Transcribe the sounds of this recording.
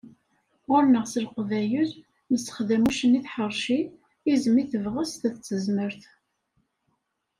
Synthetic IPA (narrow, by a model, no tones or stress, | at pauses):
ʁʊɾnəʁsəlqvæjuz | məsə̥χðæmuʃəniθħəɾˤʃi | izəmiθəvʁəsθæθt͡sːəzməɾθ